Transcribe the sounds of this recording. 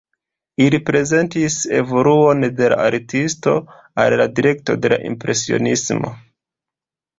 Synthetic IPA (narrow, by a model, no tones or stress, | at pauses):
ilipɾe̞ze̞ntise̞vo̞luo̞nde̞la̰aɾtisto̞̰ | a̰lladiɾe̞kto̞̰de̞la̰ʔḭmpɾe̞sio̰nismo̞̰